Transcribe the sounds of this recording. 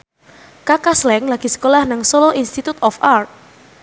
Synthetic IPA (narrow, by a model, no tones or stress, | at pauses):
kakaslɛŋlaɡ̥i̤sə̥kolahnaŋsoloʔinst̪it̪ut̪ɔfart̪̚